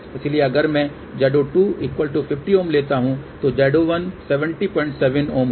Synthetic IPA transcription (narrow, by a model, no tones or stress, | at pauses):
ɪsilieɐɡəɾmɛ̃ | d͡ʒɛːɖoʈuːiːkʋəlʈupʰɪfʈioːmleːt̪aɦũt̪od͡ʒɛːɖoʋɐnsɛʋə̃ɳʈipɔ̃ːɪ̃ɳʈsɛʋənoːm